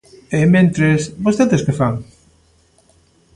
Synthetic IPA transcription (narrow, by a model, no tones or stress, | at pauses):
emẽnt̪ɾesbost̪eðeskefaŋ